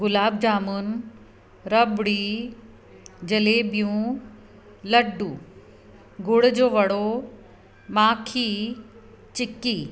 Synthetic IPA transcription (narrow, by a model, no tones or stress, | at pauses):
ɡʊlaːb̚d͡ʑaːmʊn | ɾɐbɽiː | d͡ʑɐleːbijũ | lɐɖu | ɡʊɽd͡ʑoːʋɐɽo | maːkʰiː | t͡ɕɪkiː